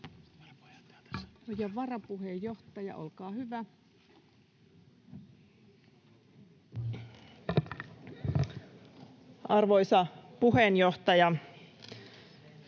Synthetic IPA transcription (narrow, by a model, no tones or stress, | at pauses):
ojɑʋɑrɑpuɦejjoht̪ɑjɑ̰ʔo̰lkɑːhyʋæ | ɑrʋojsɑpuɦenjoht̪ɑjɑ